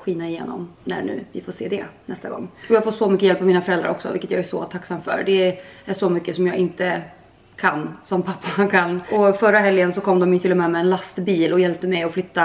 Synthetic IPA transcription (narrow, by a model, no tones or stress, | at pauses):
ɧiːnaɪjḛːnɔ̰mnæ̰ɳʉ̟̰ːvɪfoːseːd̪ɛnɛst̪aɡɔ̰ŋːɔjɑːɡfɔːt̪sɔmʏkːəjɛlpːavmiːnafœɾɛld̪ɾa̰ɾʔɔ̰ksɔ̰vɪ̰kːət̪jɑːɡæʂɔ̰t̪ʰaksamfœ̰ɾɖɛæʂɔmʏkːəsɔmjɑːɡʔɪnt̪ə | kʰanːsɔmpʰapːakʰanːɔfœɾːaɦɛljənsɔkʰɔmːd̪ɔmjɵt̪ʰɪlːɔmɛmɛːnlast̪biːlɔjɛlp̚t̪əmɛjɔflʏt̪ːa